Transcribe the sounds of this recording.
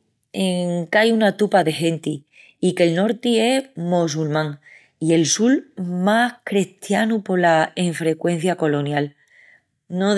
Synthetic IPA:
eŋkajunat̪upaðe̞ɦe̞nt̪i | ike̞lno̞ɾt̪ie̞mos̬ulmãŋ | ie̞lsulmahkɾeht̪janupo̞laeɱfɾe̞kwe̞n̟θjako̞lo̞njal | no

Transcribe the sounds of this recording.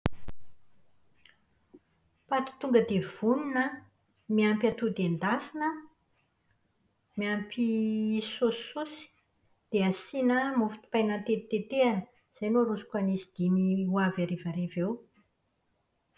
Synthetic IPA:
pat̪i̥t̪uŋɡəd̪ev̥uninə | miampjat̪ud̪end̪asinə | miampisosusi̥ | d̪̥easinəmufi̥t̪i̥pajnant̪et̪et̪eanə | z̥ajmoɾusu̥kʲanisid̪̥imiwavaɾevaɾevew

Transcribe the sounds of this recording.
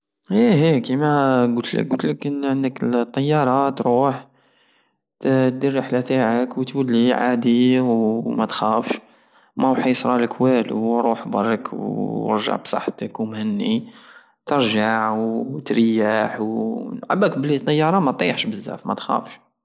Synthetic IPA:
hihikimæɡut̪lə̰ɡut̪ləkʕənd̪əkət̪ˤːɑjːɑɾˤɑt̪ɾuħ | t̪d̪ərːəħlæt̪aʕəkwt̪wælːiʕa̰d̪iwmæt̪xæfʃ | mæwħɑsˤɾˤɑləkwælṵɾˤuħbɑ̰rˤːkw̰ɾʒa̰ʕbsˤɑ̰ħt̪əkwmhənːi | t̪əɾʒaʕwt̪ɾjːaħwʕa̰bækbəlit̪ˤːɑjːɑɾˤɑmæt̪t̪ˤijːʕʃbəzːæ̰fmæ̰t̪xæ̰fʃ

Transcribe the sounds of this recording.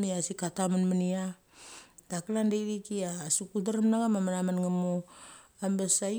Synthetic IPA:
miasikatamanmania | d̥akalandejɾikiasukutaɾamnaɡamamaɾamanŋamo | ambesa

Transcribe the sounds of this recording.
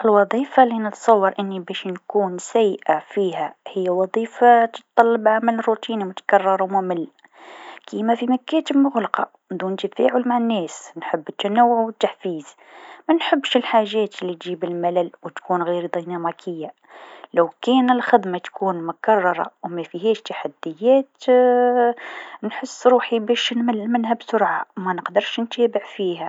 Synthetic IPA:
ʔəlwɑd̪ˤifalinət̪sˤɑwːɑɾˤʔənːibæʃnkuːnsæjːʔafihæhəjːawɑd̪ˤiːfat̪ə̥t̪t̪ːˤɑlːɑbʕamælərut̪iːnimʊt̪ḁkɑrˤːɑɾˤwmʊməlː | kʰimæfimækæt̪əbmʊɣlɑqɑ | d̪unt̪əbfæʕʊlmaʕənːɛːsnħəbːt̪ːænæwːʊʕwət̪ːaħfiːz | mænħəbːʃəlħaʒːæːt̪əlːit̪ʒibəlmælælwət̪kuːnɣiɾd̪ˤinæmikʰəjːa | læwkænəlxəd̪mɑt̪kʰuːnmʊkɑrˤːɑɾˤɑ̰wmæfiɦæʃt̪aħad̪ːəjːæt̪ | nħəsːɾuːħibæʃnməlːmənhæbsʊɾʕamænəqd̪əɾˤʃnt̪æːbəʕfiɦæ

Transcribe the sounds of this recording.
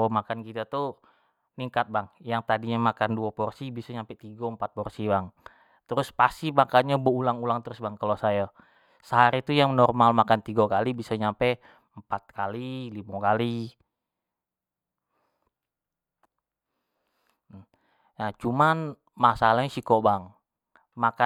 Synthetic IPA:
omakankit̪at̪u | niŋkat̪̚baŋjaŋt̪adiɲamakanduapɔrsibisaɲampɛt̪iɡampat̪̚pɔrsibaŋ | t̪əɾʊspast̪imakaɲaboulaŋulaŋt̪əɾʊsbaŋkalosaja | səɦaɾit̪ujaŋnɔrmalmakant̪iɡakalibisaɲampɛ | mpat̪̚kalilimakali | nat͡ʃuman | masalaɲsikɔbaŋ | maka

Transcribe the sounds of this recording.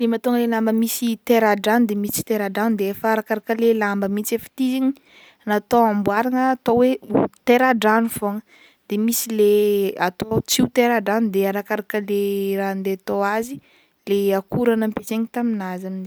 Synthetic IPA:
lemat̪oŋəlelambəmisit̪eɾaɖ͡ʐanud̪emit͡si̥t̪eɾaɖ͡ʐand̪eefəaɾakaɾakəlelambəmit͡sefə̥t̪iziɲi̥ | nat̪oambwaɾaŋəːt̪owet̪eɾaɖ͡ʐanufoŋə̥ | d̪̥emisileat̪ot͡siut̪eɾaɖ͡ʐanud̪eaɾakaɾakəleɾand̪eat̪oazi | leakuɾanəmpet͡seɲit̪aminazamin

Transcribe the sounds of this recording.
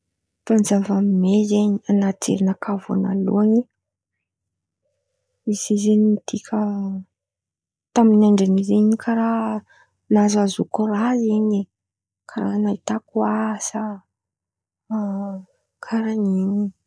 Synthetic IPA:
fanzavamimezeɲianat̪ḛɾinakava̰na̰lṵaɲi | izizeɲimit̪ikʲʰə | t̪aminaɳɖ͡ʐanizeɲikʰaɾa | nazazukoraeɲe | kʰaɾanait̪akuasa | kʰaɾaɲiɲi

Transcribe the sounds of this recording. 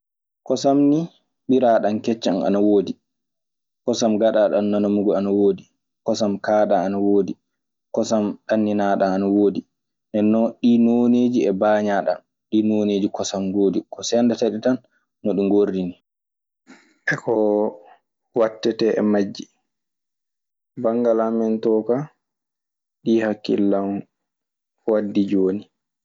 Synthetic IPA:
kɔsamni | ɓiɾaɗankɛt͡ʃːana̰nawoːdi | kɔsamɡaɗaːɗanːanamuɡɔanawoːdi | kɔsamkaːɗaanawoːdi | kɔsamɗanːinaɗaːnawoːdi | nɛnːɔɗinoneːd͡ʒiɛbaːɲaɗa̰n | ɗinoneːd͡ʒikɔsamwoːdikɔsɛndataɗitanː | ɔɗuŋɡordini | ʔɛkɔ | watːɛtɛʔɛ̰mad͡ʒːi | baŋɡalamɛntɔːka | ɗihakːḭlːam | wadːid͡ʒoːni

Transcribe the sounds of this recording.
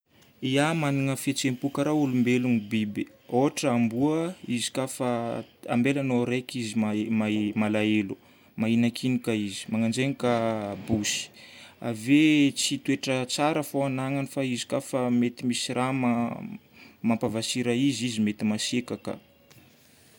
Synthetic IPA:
iamaniŋəfet͡sempukəɾaulumbelunibibe | oɦaʈ͡ʂambuəizi̥kafaa̰mbelanoɾekizimamamalaelu | mainakʰinikaizi̥maŋand͡ʒenikabusi̥a̰vet͡sit̪weʈ͡ʂət͡saɾəfoanaŋanifaizi̥kafamet̪imisirʔama | mampavasiɾaizizimet̪imasekakə̰

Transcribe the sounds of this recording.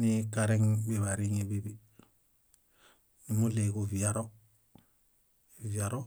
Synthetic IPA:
nikaɾeŋbiβaɾiŋebibi | nimuleɡuviaɾo | viaɾo

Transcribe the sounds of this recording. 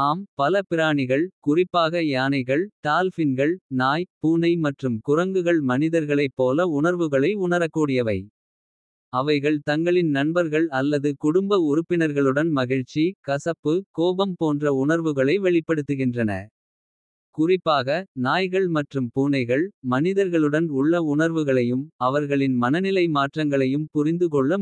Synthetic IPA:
aːmpɐlɐpɪɾaːɳɪɣɐɭkʊrɪpːaːɣɐjaːnɐɪɣɐɭt̪aːlfɪnɡɐɭnaːjpuːnɐɪmɐʈrɯmkʊrɐŋɡɯɣɐɭmɐnɪðɐɾɣɐɭɐɪpːoːlɐʊɳɐɾʋɯɣɐɭɐɪʊɳɐɾɐkːuːɽɪjɐʋɐɪ | ɐʋɐɪɣɐɭt̪ɐŋɡɐɭɪnnɐnbɐɾɣɐɭɐlːɐðɯkʊɽʊmbɐʊɾɯpːɪnɐɾɣɐɭɯɽɐnmɐɣɪɻt͡ʃːikɐsɐpːɯkoːbɐmpoːndrɐʊɳɐɾʋɯɣɐɭɐɪʋɛɭɪpːɐɽɯt̪ːɯɣɪndrɐnɐ̰ | kʊrɪpːaːɣɐnaːjɣɐɭmɐʈrɯmpuːnɐɪɣɐɭmɐnɪðɐɾɣɐɭɯɽɐnʊɭːɐʊɳɐɾʋɯɣɐɭɐjɯmɐʋɐɾɣɐɭɪnmɐnɐnɪlɐɪmaːʈrɐŋɡɐɭɐjɯmpʊrɪnd̪ɯkɔɭːɐ

